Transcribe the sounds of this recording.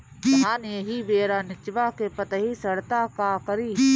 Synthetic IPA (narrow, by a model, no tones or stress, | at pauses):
tãːneːɦibeːɾaːnɪt͡ʃʋaːkepət̪ɦisəɽt̪aːkaːkəɾiː